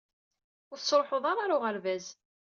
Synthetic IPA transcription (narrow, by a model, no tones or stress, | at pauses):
ʊɾθsɾˤħəðˤɑɾˤɑɾʊʁəɾvæz